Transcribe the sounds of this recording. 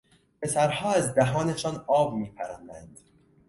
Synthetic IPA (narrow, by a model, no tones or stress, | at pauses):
pʰe̞sæɾhɒːæzd̪æɦɒːne̞ʃɒːnɒːbmiːpʰæɾænd̪ænd̪̥